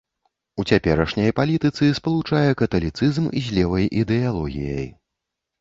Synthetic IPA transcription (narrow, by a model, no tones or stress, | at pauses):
ut͡sʲapʲɛɾɐʂnʲɐjpalʲit̪ɨt̪sɨspɐlˠut͡ʂajɛkɐt̪ɐlʲit̪sɨzmizʲlʲɛvɐjʔid̪ɛalˠɔɣʲḭjɐ̰j